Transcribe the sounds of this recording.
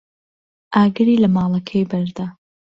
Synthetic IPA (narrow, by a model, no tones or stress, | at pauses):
ʔaːɡɨɾiːlɐmɑːlˠɐkʰɐjbɐɾd̪aː